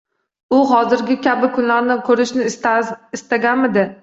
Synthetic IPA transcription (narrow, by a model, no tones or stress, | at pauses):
ʊɦɒzɪɾɡʲɪkʲʰabɪkʰʊnlaɾnɪkʲʰɵɾɪʃnɪɪst̪aɡʲanmɪd̪ɪ